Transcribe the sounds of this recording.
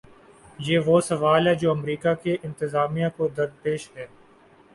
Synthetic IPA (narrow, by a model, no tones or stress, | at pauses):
jeːʋoːsɐʋaːlɦɛːd͡ʒoːɐmɾiːkakeʔɪ̃nt̪ɪzaːmijãkod̪əɾd̪̚peːʃɦɛː